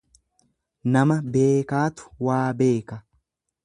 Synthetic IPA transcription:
nɐmɐbe̞ːkaːt̪ʊ̥waːbe̞ːkɐ

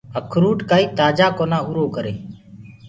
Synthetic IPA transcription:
əkʰɾuːʈkaːiːt̪aːd͡ʒaːkoːnaːuɾoːkəɾeː

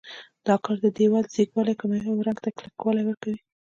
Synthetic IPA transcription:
d̪̥ɑkɑɾd̪əd̪ewalzikwɑlajkʊmewɾaŋɡt̪aklakwɑlajwəɾkawi

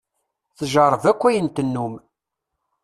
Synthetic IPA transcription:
θəʒəɾˤəvækʷːæjənt̪ənːum

